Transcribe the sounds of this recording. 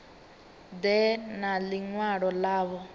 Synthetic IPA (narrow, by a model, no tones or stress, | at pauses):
d̪ɛnaliŋwaɺɔlaːβɔ